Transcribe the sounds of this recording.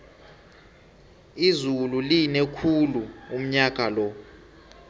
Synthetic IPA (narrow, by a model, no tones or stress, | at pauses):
izululinekʰuluum̩ɲak̬ʼalɔ